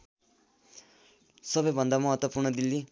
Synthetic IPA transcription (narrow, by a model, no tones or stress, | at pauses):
sʌbʌjbʱʌnd̪amʌɦʌt̪wʌpurɳʌd̪ilːi